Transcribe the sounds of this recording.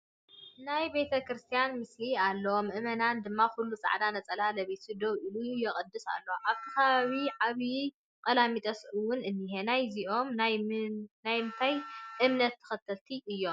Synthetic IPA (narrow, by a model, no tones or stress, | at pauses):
najbe̞t̪ʰɐkɾɨst̪ʰijanmɨslialːɐomʔɨmɐnand̪ɨmːakʰulːut͡sʼa̰ʕd̪anɐt͡sʼɐlalɐβet̪ʰud̪oβʔilujɛχʼɨd̪ːɨsa̰lːoʔaβt̪ʰɐ̥kaβaβiʕaβi | kʼɐlamit̪ʼɐsʔɨwʊnɨnːiɦenajziʔo̞mn | najmɨnt̪ʰajʔɨmnɐt̪ʰːɨ̥xɐt̪ʰːɐlt̪ʰiʔɨjːo̞m